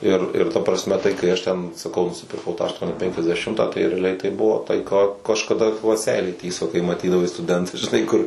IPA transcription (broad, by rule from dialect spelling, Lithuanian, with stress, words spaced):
ˈɪr ɪr ˈtɐ prɐsʲˈmʲɛ tɐɪ kɐɪ ˈɐʃ ˈtʲɛn sɐˈkɐʊ nʊsʲɪpʲɪrˈkɐʊ ˈtɑː ɐʃˈtuɔnʲɪ ˌpʲɛŋʲkʲɛzʲdʲɛˈʃʲɪmtɑː tɐɪ rʲɛɐˈlʲɛɪ tɐɪ ˈbʊʋoː tɐɪ ˈkɑː kɐʃkɐˈdɐ ʋɐ ˈsʲɛɪlʲeː ˈtʲiːsoː kɐɪ mɐˈtʲiːdɐʋɐɪ stʊˈdʲɛntɐs ʒʲɪˈnɐɪ ˈkʊr